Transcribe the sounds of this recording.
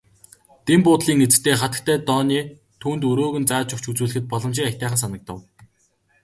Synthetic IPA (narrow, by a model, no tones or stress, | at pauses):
t̪empʊːt̪ɮiːŋet͡sɘ̥̆kt̪ʰeːχat̪ə̥̆k̚t̪ʰæːt̪ɔːniː | t̪ʰuːnt̪ɵɾoːɣɵ̆nt͡saːt͡ɕʊkt͡ɕut͡suːɮɘ̆xɘ̆t̪̚pɔɮɞ̆mt͡ɕiːŋat̪æːχə̆ns̬anə̆k̚t̪ə̆w